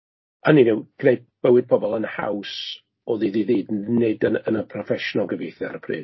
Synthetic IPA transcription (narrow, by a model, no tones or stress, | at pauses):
aninɪwɡ̥nejd̚b̥əwɨd̚pʰɔbɔlˠənha̰ws | ɔðiðiðiːdnedənənəpʰrɔfɛʃɔnalˠɡəvejθja̰ɾəpʰrḭː